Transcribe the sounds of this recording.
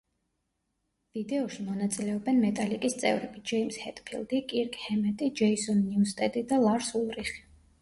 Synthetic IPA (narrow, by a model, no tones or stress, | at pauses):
vid̪ɛɔʃimɔnat̪sʼilɛɔbɛnmɛt̪ʼalikʼist̪sʼɛ̰vɾɛbid͡ʒɛimshɛ̰t̪ʼpʰḭlˠd̪ikʼiɾkʼhɛmɛt̪ʼid͡ʒɛisɔnːiust̪ʼɛd̪id̪alˠaɾsulˠɾiχi̥